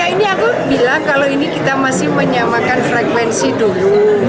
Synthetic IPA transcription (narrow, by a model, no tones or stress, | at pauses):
ainiakubilaŋkaloinikit̪amasɪhməɲamakanfɾɛkwɛnsidulu